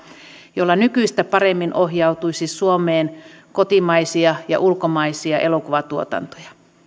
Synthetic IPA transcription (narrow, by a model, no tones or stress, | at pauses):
jolːɑnykyist̪æpɑremːinʔohjɑut̪uisisuomeːnkot̪imɑisiɑjɑ̰ʔulkomɑisiɑʔelokuʋɑt̪uot̪ɑ̰nt̪o̥jɑ